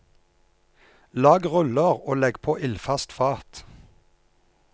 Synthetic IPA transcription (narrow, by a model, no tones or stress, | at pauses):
lɑːɡʁʉləʁoːlɛɡpʰoːʔɪlfɑst̪fɑːt̪